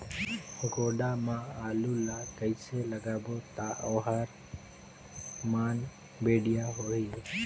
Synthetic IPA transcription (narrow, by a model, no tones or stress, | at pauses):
ɡoːɗaːmãːaːluːlaːkəiseːləɡaːboːt̪aːʔoːɦaːɾ | maːn | beːɗɪjaːɦoːi